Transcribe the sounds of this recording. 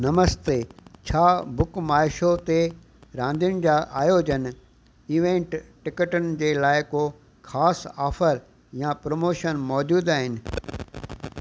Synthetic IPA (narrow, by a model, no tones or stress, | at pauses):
nɐməst̪et͡ɕʰaːbʊkmaːɪʃot̪e | ɾãːnd̪ijʊnɪ̆d͡ʑaːʔaːjoːd͡ʑən | iːʋẽːɳʈʈɪkəʈʊn̆d͡ʑeːlaːɪkoː | xaːsaːfəɾ | jãpɾoːmoːʃənmɔːd͡ʑuːd̪aːɦɪnɪ̆